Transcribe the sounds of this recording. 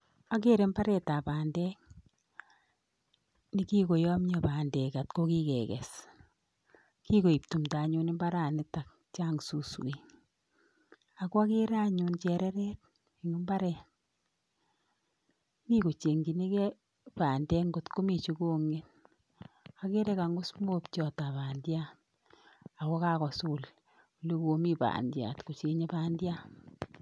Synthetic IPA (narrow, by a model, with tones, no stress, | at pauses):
a˦k̬e˦ɾe˨mba˦ɾɛ˨ta˨paː˨ndɛ˦ŋ | ni˦ki˦ko˨jɔ˦mɲɔ˨paː˨ndɛ˨ka˨tko˦ki˦kɛ̰˨kɛ̰˨s | ki˦ko˨i˨p̚tu˨mta˨ɲu˦nɪ˦mba˦ɾa˨nɪ˦ta˨k̚ | t͡ʃa˦ŋsu˨swi˨ | a˨kwa˦ke˦ɾa˦ɲunt͡ʃɛ˨ɾɛ˦ɾɛ˦t̚ | i˨ŋu˦mba˦ɾɛ˨ | mi˦ko˨t͡ʃe˨ŋɡi˨ne˦kɛ˦ | paː˨ndɛ˦ŋɡo˨tko˦mi˨t͡ʃo˦ko˦ŋe˦t | a˨ke˦ɾɛ˦ka˨ŋɡo˦smo˦pt͡ʃɔ˨ta˨pa˨ndja˦ | a˨kɔ˦ka˦kɔ˨su˦l | o˨le˦ko˦mi˦pa̰ː˨ndja̰˨tko˨t͡ʃe˨ɲe˦pa˦ndja˦